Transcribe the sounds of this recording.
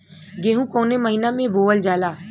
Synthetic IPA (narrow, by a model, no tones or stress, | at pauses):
ɡeːɦũkoːneməɦinamẽbʱoːʋəld͡ʒaːlaː